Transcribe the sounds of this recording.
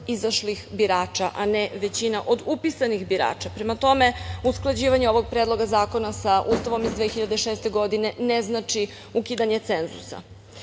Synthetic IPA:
izaʃlixbiɾaːt͡ʃaʔaneʋe̞t͡ɕinaʔo̞d̪upisanixbiɾa̰ːt͡ʃapɾemat̪o̞me̞usklˠad͡ʑiːʋaɲeo̞ʋo̞ɡ̚pɾeːd̪lˠo̞ɡazaːko̞nasaʔust̪aʋo̞mizd̪ʋeːxiʎad̪eʃeːst̪e̞ɡo̞d̪ine̞neznat͡ʃi | ukiːd̪aɲe̞t̪se̞nzṵsa̰

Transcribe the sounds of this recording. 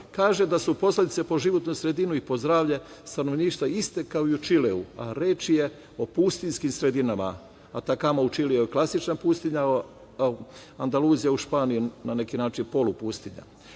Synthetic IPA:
kaːʒe̞d̪asupo̞sled̪it̪se̞po̞ʒiʋo̞t̪nusɾe̞d̪inuipo̞zd̪ɾaːʋʎe̞st̪ano̞ʋniːʃt̪ʋaist̪ekaoiut͡ʃileua̰ɾeːt͡ʃije̞ | o̞pust̪inskimsɾe̞d̪inama̰ː | t̪akamaut͡ʃilijaklˠasit͡ʃnapust̪iɲa | and̪aluːzijauʃpaːnijunane̞kinaːt͡ʃinpo̞lupust̪iɲa̰

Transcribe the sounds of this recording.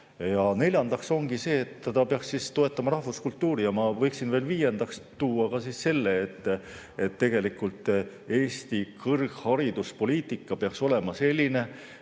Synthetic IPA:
jɑne̞lʲjɑnd̪ɑkso̞ŋɡise̞ːt̪ːet̪ɑpeɑkssiːst̪o̞e̞t̪ːˑɑmɑɾɑhvuskult̪ːˑuːɾijɑmɑvɤ̞jksinve̞ːlviːje̞nd̪ɑkst̪uːɑkɑsiːsse̞lːeːt̪ːˑ | et̪ːe̞ɡ̥e̞likult̪ˑ | e̞ːst̪ikʰɤrɡ̥hɑɾid̪̥uspo̞lʲiːt̪ˑikːˑɑpeɑkso̞le̞mɑse̞lʲːine̞

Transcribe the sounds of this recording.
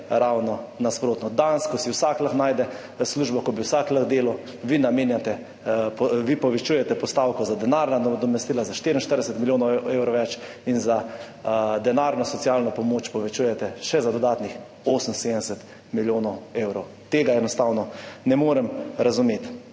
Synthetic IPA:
ɾawnɔnaspɾoːt̪nɔd̪anskɔsiwsakləxnaːjd̪ɛ | sluːʒbɔkɔbiwsakləxd̪eːlɔ | ʋinameːnjat̪ɛ | pʋipɔʋɛt͡ʃujɛt̪ɛpɔst̪awkɔzad̪ɛnaɾnad̪d̪ɔmɛst̪ilazaʃt̪eɾin̩ʃt̪əɾd̪ɛsɛt̪miljoːnɔwewɾɔʋɛt͡ʃ | inza | d̪ɛnaɾnɔsɔt̪sialnɔpɔmoːt͡ʃpɔʋɛt͡ʃuːjɛt̪ɛʃɛzad̪ɔd̪aːt̪nix | oːsənsed̪əɛsɛt̪ | miljoːnɔweːwɾɔw | t̪eːɡaɛnɔst̪aːwnɔnɛmoːɾɛmɾazumeːt̪

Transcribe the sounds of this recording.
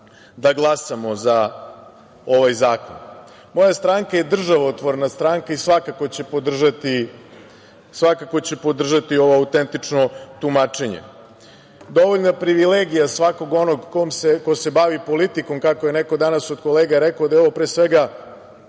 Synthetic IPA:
d̪aɡlˠasamo̞za | o̞ʋajzaːko̞̰n | mo̞jast̪ɾaːŋkaje̞d̪r̩ʒaʋot̪ʋoɾnast̪ɾaːŋkaisʋakako̞t͡ɕe̞pod̪r̩ʒat̪i | sʋakakot͡ɕe̞po̞d̪r̩ʒat̪io̞ʋo̞aut̪ent̪it͡ʂno̞t̪umat͡ʂe̞ɲḛ | d̪o̞ʋoʎnapɾiʋileɡijasʋako̞ɡo̞no̞ɡkomsekose̞baʋipo̞lit̪iko̞mkakoje̞neko̞d̪anasod̪ko̞leːɡaɾekaod̪ajeo̞ʋopɾeːsʋeɡa

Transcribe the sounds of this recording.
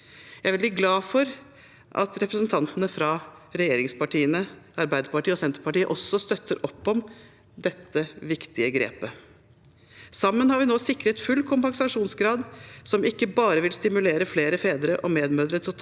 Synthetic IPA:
jæɪʋɪlbliːɡlɑːfɔɾ | ʔɑ̰t̪ɾɛpɾəsnt̪ʰɑnt̪ənəfɾɑɾɛjeːɾɪŋspɑʈʰiːənəɑɾbæɪd̪əɾpɑʈiːəɔsɛnt̪əɾpɑʈiːəʔɔsːɔst̪œt̪ːəɾʔɔpːɔm | d̪ɛt̪ːəʋɪkt̪ɪəɡɾḛːpə | sɑmːənhɑɾʋɪnoːsɪkːɾət̪fʉlːkʰʊmpɑŋsɑʂuːnsɡɾɑːd̪sɔmɪkːəbɑːɾəʋɪlst̪ɪmʉleːɾəfleːɾəfeːd̪əɾəʔɔmeːd̪møːd̪ɾət̪ʰɪ

